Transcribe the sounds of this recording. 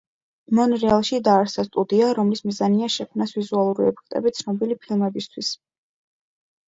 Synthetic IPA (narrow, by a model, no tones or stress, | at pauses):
mɔnɾɛalˠʃid̪aːɾsast̪ʼud̪iaɾɔmlismizaniaʃɛkʰmnasvizualˠuɾiɛpʰɛ̥kʰt̪ʼɛ̰bit̪sʰnɔbilipʰilˠmɛbist̪ʰwis